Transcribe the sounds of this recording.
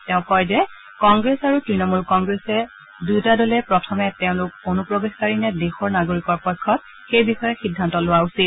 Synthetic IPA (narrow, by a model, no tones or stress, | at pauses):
tɛʊ̃kɔjzɛ | kɔŋɡɹesaɹutɹinɔmulkɔŋɡɹesɛ | dujtadɔlɛpɹɔtʰɔmɛtɛʊ̃lʊk̚onupɹɔbexkaɹinɛdexɔɹnaɡoɹikɔɹpɔjkʰːɔt̚ | xejbixɔjɛxidʱːantɔlʊwausit̚